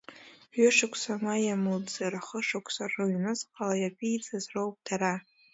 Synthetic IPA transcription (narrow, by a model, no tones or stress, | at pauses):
ʒɪʂakʷʰsamajamɨld͡zarχəʂɨkʷʰsarɨɥnɨzqʼalajapʰʼiit͡sʰʼazrowp̚dʰara